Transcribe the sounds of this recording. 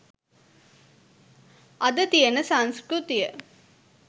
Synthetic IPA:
ʔɐd̪ət̪ijənəsanskɾut̪ijə

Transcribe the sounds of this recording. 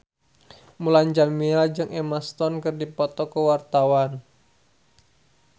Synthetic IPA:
mulaɲd͡ʒamiɛld͡ʒɨŋʔemast̪ɔnkɨrdipɔt̪ɔkəwart̪awan

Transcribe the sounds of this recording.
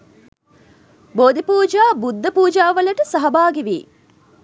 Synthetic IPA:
boːd̪ipuːd͡ʒaːbud̪ʱːɐpuːd͡ʒaːʋɐlɐʈəsɐɦɐbaːɡiʋḭː

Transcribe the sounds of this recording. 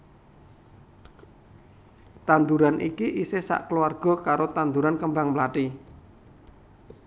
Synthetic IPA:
t̪and̪uɾanʔikiʔisesa̰ʔkəluarɡ̥ɔ̤kaɾot̪and̪uɾankəmbaŋmlaʈi

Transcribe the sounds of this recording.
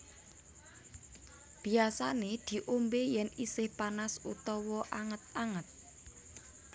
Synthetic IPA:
b̥i̤asaned̪̥i̤ʔombejɛnisɪhpanasṵt̪ɔwɔʔaŋət̪̚aŋət̪̚

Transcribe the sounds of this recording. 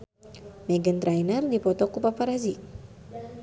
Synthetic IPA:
mɛɡənt̪ɾainərdipɔt̪ɔkupapaɾazik

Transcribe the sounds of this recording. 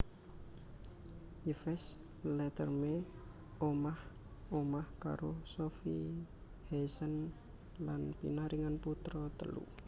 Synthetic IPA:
jifɛs | lɛt̪ərme | omah | omahka̰ɾosofḭ | hesən | lanpḭnaɾiŋanput̪ɾɔt̪ə̰lṵ

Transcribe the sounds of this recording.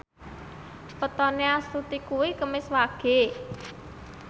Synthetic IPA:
pət̪ɔneast̪ut̪ikuwikəmɪswaɡ̥e̤

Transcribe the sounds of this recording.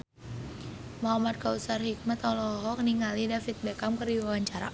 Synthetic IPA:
maɦamat̪̚kausarhik̚mat̪ɔlɔɦɔkəniŋalidafit̪̚bekamkərdiwawaɲt͡ʃaɾa̰

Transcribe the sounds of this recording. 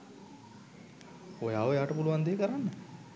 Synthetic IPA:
ojaːʋəejaːʈəpuluʋand̪eːkəɾanːə

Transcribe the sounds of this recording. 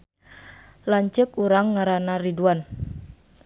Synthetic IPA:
laɲt͡ʃəkuɾaŋːaɾanariduan

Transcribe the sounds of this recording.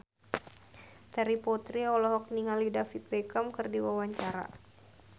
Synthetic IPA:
t̪ɛɾipɔt̪ɾiɔlɔɦɔk̚niŋalidafit̪̚bɛkamkɨrdiwawaɲt͡ʃaɾa̰

